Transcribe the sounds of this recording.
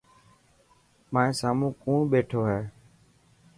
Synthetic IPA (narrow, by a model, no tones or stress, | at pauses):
mãːsaːmũːkũːɳɓeːʈʰoːɦɛː